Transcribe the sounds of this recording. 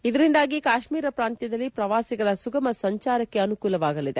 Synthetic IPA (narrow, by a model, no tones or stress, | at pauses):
id̪ɐɾind̪aːɡikaːʃmiːɾɐpɾaːnt̪jɐd̪ɐlːipɾɐʋaːsiɡɐɭɐsuɡɐmɐsɐɲt͡ʃaːɾɐkːe̞ɐnukuːlɐʋaːɡɐlid̪e̞